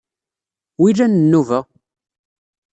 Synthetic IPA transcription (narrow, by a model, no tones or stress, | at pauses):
wiɾænənːuvæ